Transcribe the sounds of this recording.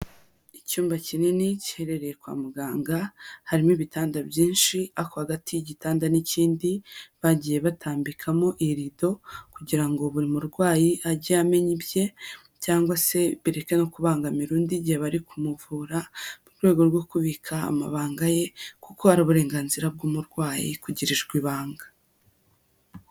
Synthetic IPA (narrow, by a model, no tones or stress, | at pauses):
icuːmbacininici̥he̞ɾe̞ɾe̞jekwa̰ːmuɡaːŋɡahaɾimiβitaːndabjiːnʃiakohaɡatʰiɟitaːndaniciːndiβaɟiːje̞βatʰaːmbikʰamo̞ʔiɾido̞kuɟiɾaŋɡo̞βuɾimuɾɡwaːjiaɾɟeame̞ɲibje̞ | caːŋɡwase̞βiɾe̞ke̞no̞kuβaːŋɡamiɾuːndiɟiheβaɾikʰumuvuːɾamuɾɡwe̞ːɡo̞ɾɡo̞kuβikʰa̰ːma̰βaːŋɡaje̞kuko̞aɾiβuɾe̞ːŋɡaːnziɾab̚ɡumuɾɡwaːjḭkuɟiɾiʒɡwiːβaːŋɡḁ